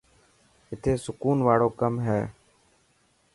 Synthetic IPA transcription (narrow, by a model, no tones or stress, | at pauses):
ɪt̪ʰeːsʊkuːnʋaːɽoːkəmɦɛː